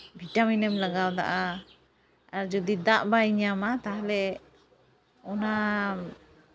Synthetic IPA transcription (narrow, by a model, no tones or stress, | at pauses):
bʱiʈaminɛmlaɡawd̪a̰ʔa | aɾd͡ʒɔd̪id̪aʔbaiɲamat̪aɦlɛ | ɔna